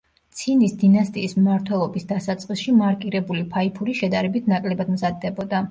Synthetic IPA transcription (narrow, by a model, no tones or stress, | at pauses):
t̪sʰinisd̪inast̪ʼiːsmmaɾt̪ʰwɛlˠɔbisd̪asat̪sʼqʼisʃimaɾkʼiɾɛbulipʰaipʰuɾiʃɛd̪aɾɛbit̪ʰnakʼlɛbad̪mzad̪ːɛbɔd̪a